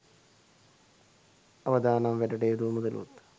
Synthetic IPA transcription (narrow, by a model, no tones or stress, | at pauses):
ɐʋɐd̪ʱaːnɐmʋeɾɐɽejd̪uːmuðɐlṵt̪ː